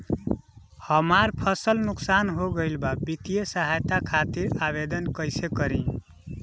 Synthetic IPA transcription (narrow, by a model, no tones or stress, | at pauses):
həmaɾpʰəsəlnuksanɦoɡəɪlbabit̪ijəsəɦajt̪akʰat̪iɾaβed̪ənkəɪsekəɾĩ